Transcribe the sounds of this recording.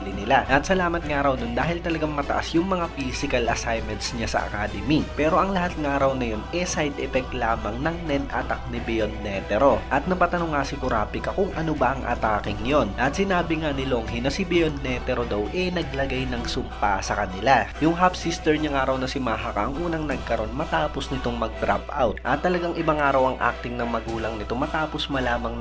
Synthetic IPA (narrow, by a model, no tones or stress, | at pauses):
lɪnɪlaʔɐt̪̚sɐlaːmɐt̪̚ŋʔaːɾɐwno̞nd̪aːɦɪlt̪ɐlɐɡaŋmɐt̪ɐ̰ʔasjʊŋmɐŋafiːsɪkɐlʔɐsajmɛnt̪sɲasɐ̰ʔɐ̰kaːd̪ɛmipɛːɾo̞ʔɐŋlɐhat̪̚ŋɐʔaːɾɐwnɐjo̞nɛsajt̪ʔɛpɛk̚t̪laːmɐŋnɐŋnɛnʔa̰t̪ak̚nɪbɛjonːɛt̪ɛɾo̞ʔɐt̪̚nɐpɐt̪ɐnoŋasɪɡʊɾaːpɪkɐkʊŋʔɐno̞bɐʔɐŋʔɐ̰t̪aːkɪŋjo̞nʔɐt̪̚sɪnaːbɪŋanɪloŋhinɐsibɛjonːɛt̪ɛɾo̞d̪ɐwʔɛnɐɡ̚lɐɡajnɐŋsʊmpasɐkɐnɪlajʊŋɦapsist̪ɛɹɲaŋʔaːɾɐwnɐsɪmaːɦɐkɐ̰ʔɐŋʔuːnɐŋnɐɡ̚kɐɾʔo̞nmɐt̪aːpo̞snɪt̪o̞ŋmɐɡ̚d̪ɾa̰pʔa̰wt̪ʔɐt̪ːɐlɐɡaŋʔɪbaŋʔaːɾɐwɐŋʔa̰k̚t̪ɪŋnɐŋmɐɡuːlɐŋnɪt̪o̞mɐt̪aːpo̞smɐlaːmɐŋ